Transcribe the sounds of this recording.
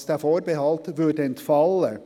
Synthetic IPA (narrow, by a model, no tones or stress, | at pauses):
st̪æːfoːɾbəhɑlt̪ʋʉɖənt̪fɑlə